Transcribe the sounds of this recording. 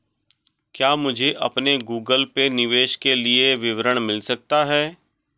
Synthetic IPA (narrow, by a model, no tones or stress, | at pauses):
kjaːmʊd͡ʒʱeʔɐpneɡuːɡəlpenɪʋeːʃkelieʋɪʋɾəɽ̃mɪlsɐk̚t̪aɦɛː